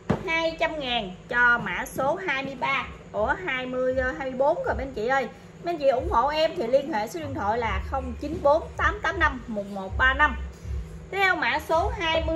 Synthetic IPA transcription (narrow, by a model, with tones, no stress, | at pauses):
haː˧jt͡ɕa˧mŋaː˨˩nt͡ɕɔ˧ma̰ː˧˥so˨˦ɦaː˧jmɨ˧əjɓaː˧ku˧˩əɦaː˧jmɨ˧əjzəː˧hɦaː˧jmɨ˧əjɓo˨˦nkɔ˨˩ɓe˧nt͡ɕḭ˧˨ʔəː˧j | ɓe˧nt͡ɕḭ˧˨ʔʊ˧˩wŋ͡mho̰˧˨ʔɛ˧mt̪ʰi˨˩li˧ənhḛ˧˨so˨˦wi˧ənt̪ʰo̰˧˨jlaː˨˩xə˧wŋ͡mt͡ɕi˨˦nɓo˨˦nt̪aː˨˦mt̪aː˨˦mna˧mːo˨˩t̚mo˨˩t̚ɓaː˧na˧mt̪ʰtʰɛ˧wma̰ː˧˥so˨˦ɦaː˧jmɨ˧